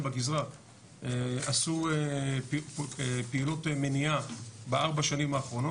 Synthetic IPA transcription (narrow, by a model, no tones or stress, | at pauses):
baɡizʁa | easue | peilotemeniabeaʁbaʃanimaːχʁo̞no